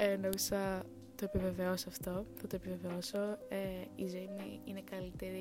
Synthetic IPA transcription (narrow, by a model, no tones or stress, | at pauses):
enomisɐ | t̪o̞epive̞ve̞osoɐft̪o̞θɐt̪oepive̞veoso̞eizejmiine̞kɐlit̪e̞ɾi